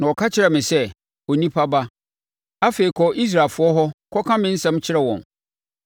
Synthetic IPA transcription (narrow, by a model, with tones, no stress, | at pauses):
nã˨ɔ˨kʰa˦t͡ɕʰɪ˦ɾɛ˨mɪ̃˨sɛ˦ | o˨nĩ˦pʰa˦ba˦ | a˦feː˨i˨kʰɔ˨ʔi˦s̬ɾaː˨lfʊ˨˦ɔ˦ɦɔ˦kʰɔ˦kʰã˦mɪ̃˦n̩˦sɛ̃˦mt͡ɕʰɪ˦ɾɛ˨wɔ̰̃˨n